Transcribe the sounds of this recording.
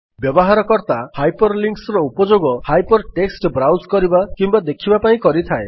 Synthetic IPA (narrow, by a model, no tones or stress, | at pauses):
bjɔbɔɦaɾɔkɔɾt̪ahajpɔɾliŋksɔɾɔupɔd͡ʒoɡɔhajpɔɾʈeksʈbɾawskɔɾibakimbad̪ekʰibapaĩkɔɾit̪ʰae